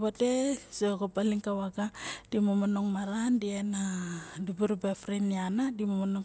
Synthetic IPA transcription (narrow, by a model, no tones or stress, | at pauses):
batesokopaliŋkawaɡad̥imomonoŋmaɾandienadibuɾubefɾinianadimomonoŋ